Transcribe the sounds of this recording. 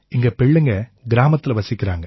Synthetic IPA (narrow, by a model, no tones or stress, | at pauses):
ɪŋɡɐpɛɭːɯŋɡɐɡɪɾaːmɐt̪ːɪlʋɐsɪkːɪɾaːŋɡɐ